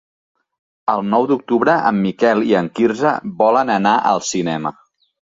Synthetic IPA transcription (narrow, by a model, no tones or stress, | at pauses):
əlˠnɔwd̪uk̚t̪uβɾəʔəmːikɛlˠiəŋkirzə̰bɔlənənaʔəlˠsinɛmə